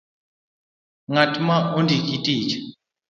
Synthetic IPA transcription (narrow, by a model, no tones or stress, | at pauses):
ŋatʰʼmaʔondʱikʼitʼiːt͡ʃʰʼɛ̥